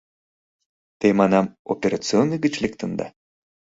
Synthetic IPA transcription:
t̪emɑnɑmopʲeɾat͡sɨonɨɡə̆t͡ɕlʲekt̪ənd̪ɑ̰

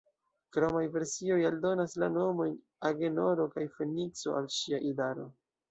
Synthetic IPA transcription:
kɾomajve̞ɾsio̞jaldo̞naslano̞mo̞jn | aɡe̞no̞ɾo̞kajfe̞nit͡so̞̰ʔalʃiaʔidaɾo̞̰

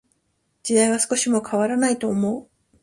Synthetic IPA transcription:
d͡ʑid̪aiβ̞asɨ̥ko̞ɕimo̞kʰaβaɾanait̪o̞ːmo̞ɯ

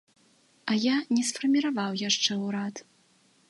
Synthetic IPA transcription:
ɐjanʲɛsfɐrmʲiɾavawjaʂt͡ʂɛwɾat̪

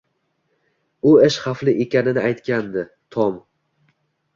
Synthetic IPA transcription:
ʊeʃχaflɪʔekʲanɪnɪajt̪kʲand̪ɪ | t̪ʰɒm

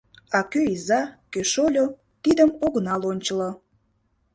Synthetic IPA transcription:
ɑkøizɑkøʃolʲo | t̪id̪əmoɣənɑlonʲt͡ɕəlo

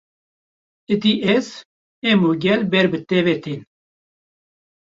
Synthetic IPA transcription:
ɨd̪iʔɛz | ɛmuːɡʲɛlbɛɾbɨt̪ɛvet̪in

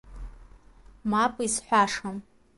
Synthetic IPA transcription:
mapʼisħʷaʂam

